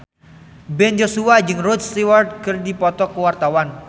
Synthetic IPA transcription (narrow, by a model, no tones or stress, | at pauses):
bɛnd͡ʒosuad͡ʒɨŋrodst̪iward̚kərdipɔt̪ɔkəwart̪awan